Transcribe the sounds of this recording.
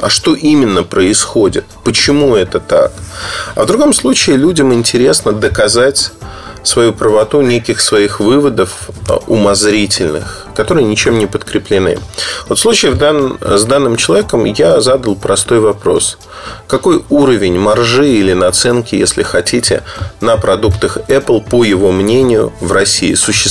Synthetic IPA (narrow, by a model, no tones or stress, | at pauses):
ɐ̰ʂt̪o̞ʔimʲɪnːəpɾəɪsxodʲɪt̪pət͡ɕɪmuɛt̪ət̪a̰kɐ̰vd̪ɾʊɡo̞mslˠut͡ɕɪːlʲudʲɪmɪnʲtʲɪɾʲe̞snəd̪əkɐzatʲ | svɐjupɾəvɐt̪unʲekʲɪxsvɐixvɨvəd̪əfʊmɐzɾʲitʲɪlʲnɨ̰x | kɐt̪o̞ɾɨjənʲɪt͡ɕemnʲɪpət̪kɾʲɪplʲɪnɨ̰vot̪fslˠut͡ɕɪːvzd̪anːɨmt͡ɕɪlˠɐvʲekəmjazad̪əlˠpɾɐst̪o̞jvɐpɾo̞̰s | kɐko̞juɾəvʲɪnʲmɐrʐɨilʲɪnɐt̪sɛnkʲɪjesʲlʲɪ̰xɐtʲitʲɪ̰nəpɾɐd̪ukt̪əxɛplˠpəjɪvo̞mnʲenʲɪjʊ̰vrɐsʲːḭːsʊɕːɪ